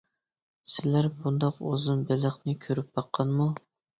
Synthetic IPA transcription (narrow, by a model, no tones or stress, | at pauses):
sɪlæɾbund̪ɑqozɨnbɪlɪχnɪkʲʰøɾyp̚bɑqʰːɑnmu